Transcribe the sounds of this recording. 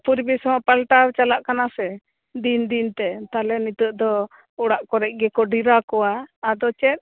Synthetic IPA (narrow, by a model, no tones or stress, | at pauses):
puɾbisɔmapalʈawt͡ʃalaʔkanasɛ | d̪ind̪int̪ɛt̪alɛnit̪uʔd̪ɔ | uɽaʔkɔɾɛc̚ˀɡɛkɔɖiɾakɔwaːd̪ɔt͡ʃɛt̪̚